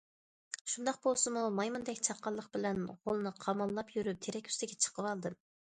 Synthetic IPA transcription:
ʃund̪ɑqbolˠsɨmumɑjmund̪ɛkʲt͡ʃʰɑqːɑlˠːəqbɪlɛnʁolˠnɨqʰɑmɑlˠːɑpjyɾyp̚t̪ʰeɾɛkʲʰy̥st̪ɪɡʲɛt͡ʃʰə̥qʰəwɑlˠd̪ɨm

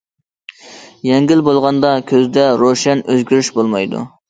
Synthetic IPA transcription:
jɛŋɡʲilbolˠʁɑnd̪ɑkʲʰøzd̪ɛɾoʃɛnøzɡʲyɾyʃbolˠmɑjd̪ṵ

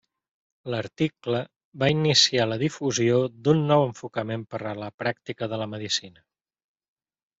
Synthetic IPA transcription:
ləɾt̪iklə | βainisialəðifuziod̪unːɔwəɱfukəmempəɾələpɾak̚t̪ikəðələməðisinə

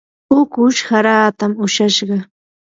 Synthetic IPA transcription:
ʊkʊʃhaɾaːt̪amʊʃaʃɢɑ

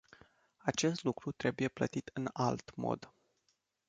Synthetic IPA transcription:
at͡ʃe̞st̪lukɾut̪ɾe̞buje̞plə̰t̪it̪ɨnalt̪mo̰d̪

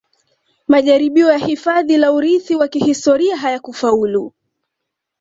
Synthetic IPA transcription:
maʄaɾiɓiɔjahifaðilauɾiθiwakihistɔɾiaɦajakufaulu

